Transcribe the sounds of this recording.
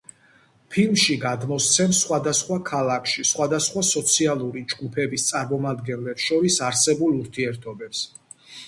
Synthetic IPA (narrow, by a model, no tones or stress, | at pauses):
pʰilˠmʃiɡad̪mɔst̪sʰɛmsχwad̪asχwakʰalˠakʰʃisχwad̪asχwasɔt̪sʰialˠuɾid͡ʒɡupʰɛbist̪sʼaɾmɔmad̪ɡɛnlɛpʃɔɾisaɾsɛbulˠuɾt̪ʰiɛɾt̪ʰɔbɛps